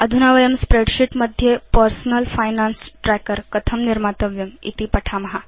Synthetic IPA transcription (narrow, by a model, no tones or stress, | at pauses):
əd̪ʱunaʋəjəmspɾeɖɕiʈməd̪ʱjepəɾsnəlfajnansʈɾɛkəɾkət̪ʰəmniɾmat̪əʋjəmḭt̪ipəʈʰamɦa